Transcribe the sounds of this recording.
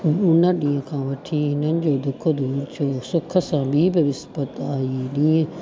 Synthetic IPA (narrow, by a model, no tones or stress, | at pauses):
ʊnəɗĩːə̃kʰãːʋɐʈʰiːɦɪnənɪ̆d͡ʑoːd̪ʊkʰod̪uːɾt͡ɕoːsʊkʰə̆sãːbʱiːbɪʋɪspət̪aːiːɗĩːə̃